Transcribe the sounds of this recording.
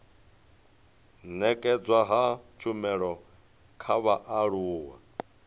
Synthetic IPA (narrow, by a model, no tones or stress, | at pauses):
nɛkʼɛd͡zwaɦat͡ʃʰumɛɺɔ | kʰaβaʔaɺuːwa̰